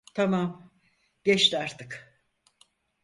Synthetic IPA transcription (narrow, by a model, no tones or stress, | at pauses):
t̪ʰamam | ɟɛʃt̪aɾt̪ʰɯk